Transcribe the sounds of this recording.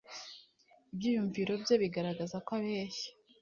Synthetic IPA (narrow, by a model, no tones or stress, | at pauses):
ibɟiːjuɱviɾo̞bjo̞βiɡaɾaɡazakwaβeːʃi̥